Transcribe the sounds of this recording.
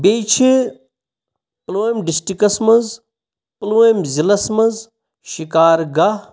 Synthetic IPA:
beːt͡ʃʰi | ploːjmɖisʈikɐsmɐz | ploːjmzilɐsmɐz | ʃikaːɾɡɐ

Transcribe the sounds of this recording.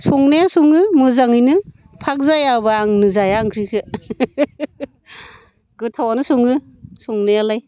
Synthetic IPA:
sɔŋnajasuŋɯmɯzaŋɯjnɯ | pʰak̚zajabaːŋnɯzajaːŋkʰɾikʰɯ | ɡɯtʰawanɯsɔŋɯ | sɔŋnajalaj

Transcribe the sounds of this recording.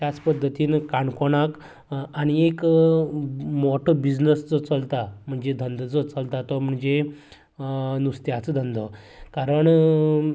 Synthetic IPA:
t̪jat͡spəd̪ʱːət̪iːnkaɳkoɳak | aɽ̃iek | mɔʈʰəbid͡ʑd͡znəst͡sɔt͡səlt̪am̤əɳd͡zed̪ʱənd̪t͡sət͡səlt̪at̪ɔm̤əɳd͡ze | nust̪jat͡səd̪ʱənd̪ʱɔ | kaɾəɳ

